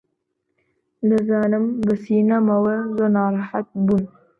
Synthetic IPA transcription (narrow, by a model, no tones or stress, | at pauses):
d̪ɨzɑːnɨmbəsiːnamɐwezonɑːɾɑħat̪̚bun